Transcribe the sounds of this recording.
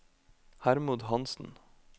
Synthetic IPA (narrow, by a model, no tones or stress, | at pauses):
hæɾmʊd̪hɑnsn̩